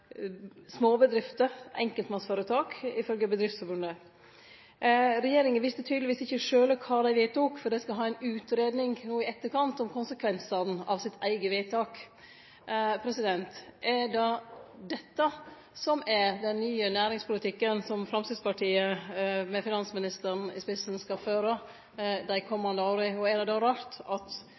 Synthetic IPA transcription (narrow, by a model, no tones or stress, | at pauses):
smoːbəd̪ɾɪft̪əʔɛ̰ŋkəlt̪mɑsfoːɾət̪ʰɑːkɪfœlɡəbəd̪ɾɪft̪sfɔɾbʉnd̪ə | ɾɛjeːɾɪŋənʋɪst̪ət̪ʰyːd̪əlɪʋiːsɪçːəʂøːləkʰɑːd̪æɪʋɪt̪ʰuːkfɔɾd̪ɛskɑɦɑːæɪnʉːt̪ɾeːd̪nɪŋnoːɪɛt̪ːəkɑnt̪ɔmkʰʊnsəkʰʋɛnsəɾn̩ɑ̰ʋsɪt̪ʰæɪɡəʋæɪt̪ʰɑːk | pʰɾɛsɪd̪ɛnt̪ʔɛɖɑd̪ɛt̪ːə | sɔmæɾd̪ɛnːyːənæːɾɪŋspʰʊlɪt̪ʰɪkːənsɔmfɾɑmsɪːd̪spɑʈʰiːəmɛfɪnɑnsmɪnɪst̪əɾɳ̩ɪ̰spɪsn̩skɑføːɾə | d̪æɪkʰɔmːɑnd̪əoːɾɪɔæd̪ɛd̪ɑːɾɑːɾt̪ɑt̪